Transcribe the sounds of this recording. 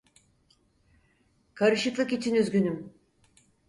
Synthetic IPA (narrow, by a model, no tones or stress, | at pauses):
kʰaɾɯʃɯklˠɯkit͡ʃʰinyzɡʲynym